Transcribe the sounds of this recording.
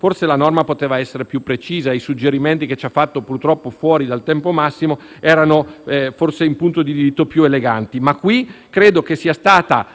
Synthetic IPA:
forselanɔrmapot̪eːvaɛsːeɾepjupːɾet͡ʃiːzaejsud͡ʒːeɾiment̪iket͡ʃafːat̪ːopurt̪ɾɔpːofwɔːɾid̪alt̪ɛmpomasːimo | ɛːɾanoɛforseimpunt̪od̪id̪iɾit̪ːopjueleɡant̪imakːwikɾeːd̪okesiːast̪aːt̪a

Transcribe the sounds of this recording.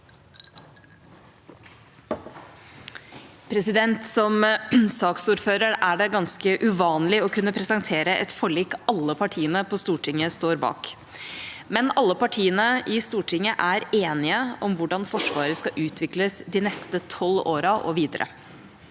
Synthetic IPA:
pʰɾɛsɪd̪ɛnt̪sɔmsɑːksuːɾføːɾəɾæɖɛɡɑnskəʔʉʋɑːnlɪɔkʉnːəpʰɾɛsənt̪ʰeːɾəʔɛ̰t̪fɔɭiːkɑlːəpʰɑʈʰiːənəpʰɔst̪uːʈʰɪŋːəst̪oːɾbɑ̰ːk | mɛnɑlːəpɑʈʰiːənəɪst̪uːʈʰɪŋːəʔæɾeːnɪəɔmʋʊɖɑnfɔʂʋɑːɾəskɑʔʉːt̪ʰʋɪkləsd̪ɪnɛst̪ət̪ʰɔloːɾɑʔɔ̰ʋiːd̪əɾʔə̰

